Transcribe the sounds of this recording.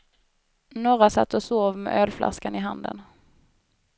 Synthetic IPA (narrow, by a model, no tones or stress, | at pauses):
noːɾasa̰t̪ːɔsoːvmɛ̰ʔœːlflʔa̰skanɪɦand̪ə̰n